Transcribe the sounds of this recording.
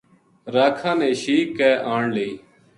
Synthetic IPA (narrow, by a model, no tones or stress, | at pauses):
ɾaːkʰãːnẽːʃiːkːɛːʔaːɳleiː